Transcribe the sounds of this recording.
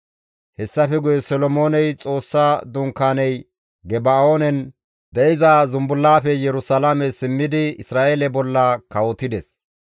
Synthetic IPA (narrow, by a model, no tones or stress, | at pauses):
hɛsːɐfɛɡʊjɛsɔlɔmo̞ːnɛjt͡sʼo̞ːsːaːd̪ʊŋkːaːnɛj | ɡɛbaoːnɛn | d̪ɛɪzaːzʊmbʊlːaːfɛjɛɾʊsɐlamɛsɪmːɪd̪ɪɪsɾaːʔeːlɛbɔlːɐkɐwɔt̪ɪd̪ɛs